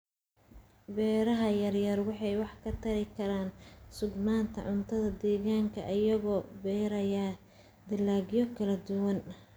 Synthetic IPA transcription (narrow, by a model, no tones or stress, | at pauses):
bɛːɾɐɦɐjɐrjɐrwɑħɑjwɑħkʰɐt̪ʰɐɾɪkʰɐɾaːnsʊɡnaːnt̪ʰɐ̰ʕʊnt̪ʰɐðɐd̪ɛːɣaːŋkʰɐ̰ʔɐjɐɣɔːbɛːɾɐjaː | d̪ɪlːaːɣjɔkʰɐlɐd̪ʊwɐn